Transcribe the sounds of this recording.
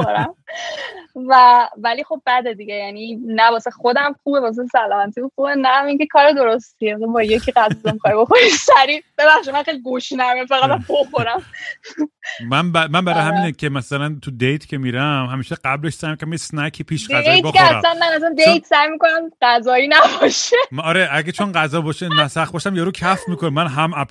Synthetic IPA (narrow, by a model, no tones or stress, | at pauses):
oɾæm | vævælixo̞b̚bæd̪ed̪iɟejæninæbɒːsexod̪æmxuːbebɒːs̬esælɒmæt̪ʰibuxubenæːmiːŋcekʰɒːɾed̪o̞ɾost̪ʰiemsɔbɒje̞kʰiɣæzzemixɒjbo̞xoɾisæɾib̥e̞bæχʃid̪mænxejliɡuʃnæmjɛfæɣæt̪æmboxoɾæm | mænbæmænbæɾɒjhæmiːnecʰemæsælænt̪ʰud̪ejt̪ʰcʰemiːɾæmhæmiːʃɛɡæbleʃsæjmikʰonæmjesnækʰipʰiːʃɡdæzej̪boxeææ̰msænmænæs̬ænd̪ejt̪ʰsæjmikonæmɢæzɒːinæbɒʃeɒɾeʔæɡæt͡ʃʰonɢæzɒːbɒːʃenæsæxbɒːʃæmjeɾucʰæfmiːkʰonemænɦæmæp